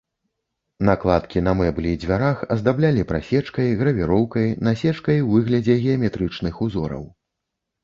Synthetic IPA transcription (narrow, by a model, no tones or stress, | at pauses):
naklˠat̪kʲinɐmɛblʲid͡zʲvʲaɾaxɐzd̪ablʲalʲipɾa̰sʲɛt͡ʂkɐjɣɾɐvʲiɾɔwkɐjnasʲɛt͡ʂkɐjwvɨɣlʲɐd͡zʲɛɣʲɛɐmʲɛt̪ɾɨt͡ʂnɨxuzɔɾɐ̰w